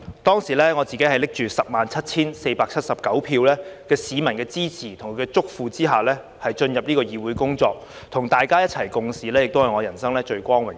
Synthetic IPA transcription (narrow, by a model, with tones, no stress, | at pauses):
t̪ɔː˥ŋsiː˨˩lɛː˥ŋɔː˨˧t͡siː˨ke˨˥ɦɐ˨jlɪ˥k̚t͡ʃyː˨sɐ˨p̚maː˨nt͡sʰɐ˥t̚t͡sʰiː˥nse˧jpaː˧k̚t͡sʰɐ˥t̚sɐ˨p̚kɐ˨˥wpʰiː˧wlɛː˥kɛː˧siː˨˧mɐ˨˩nkɛː˧t͡siː˥t͡sʰiː˨˩t̪ʰʊ˨˩ŋkʰɛ˧t͡sʊ˥k̚fuː˨˧t͡siː˥ɦaː˨˩lɛː˥ | hɐ˨jt͡ʃɵ˧njɐ˨p̚niː˥kɔː˧jiː˨wuː˨˥jkʊ˥ŋt͡ʃɔː˧k̚ | t̪ʰʊ˨˩ŋt̪aː˨jkaː˥jɐ˥t̚t͡sʰɐ˨˩jkʊ˧ŋsiː˨lɛː˥jɪ˨k̚t̪whɐ˨˩jŋɔː˨˧jɐ˨˩nsɐ˥ŋlɛː˥t͡ʃɵ˧ɥkʷɔː˥ŋwɪ˨˩